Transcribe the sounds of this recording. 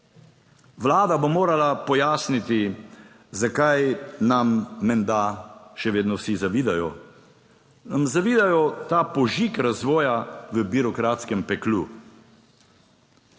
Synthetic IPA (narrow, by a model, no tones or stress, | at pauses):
ʋlaːd̪abomoːɾalapɔjaːsnit̪i | zakajnamːɛnd̪aʃɛʋeːd̪nɔwsizaʋiːd̪ajɔ | namzaʋiːd̪ajɔt̪apɔʒikɾazʋɔːjaʋəbiɾɔkɾaːt̪skɛmpɛklu